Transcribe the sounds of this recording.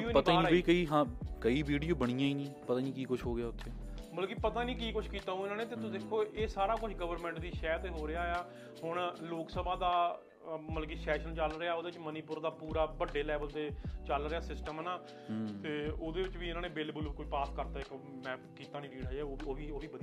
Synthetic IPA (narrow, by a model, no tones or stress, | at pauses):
oːpət̪ːaːaːiːkəiːɦãːkəiːʋiːɖijoːbəɽ̃iːjãːiːnĩːpət̪ãːnĩːkiːkʊʃʰɦoːɡɪaːʊt̪ʰːeːbəlkeːpət̪aːnĩːk̬iːkʊt͡ʃʰkiːt̪aːõːɪnãːneːt̪eːt̪ʊd̪ekʰːoːʔeːsaːɾaːkʊt͡ʃʰɡəʋəɾmɛ̃ːɳʈd̪iːʃɛːt̪eːɦoːɾɪjaːeaː | hʊɳloːksəbãːd̪aː | məlkiːsɛːʃənt͡ʃəlɾɪaːoːd̪eːɪt͡ʃməniːpʊɾd̪aːpuːɾaːbəɖːeːlɛːbəlt̪eːt͡ʃəlɾɪaːsɪsʈəmːnaː | t̪eːoːd̪eːʋɪt͡ʃʋiːɪnaːnẽːbeːlbʊlkʊʃʰpaːskəɾt̪aːɪkmɛ̃ːpkiːt̪aːnĩːɾiːɽaɛːoːoːʋiːoːʋiːbəd̪i